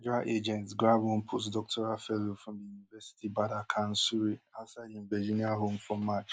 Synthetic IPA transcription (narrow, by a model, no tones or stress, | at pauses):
d͡ʒaʔed͡ʒɛ̃ntsɡɾabʊm̩pʰos̬dɔk̚tʰɔɾafɛlofɾɔ̃md̪ijunivɛsi̥tibadakʰan̩suɾiasadĩm̩bɛd͡ʒiniaɦom̩fɔːat͡ʃ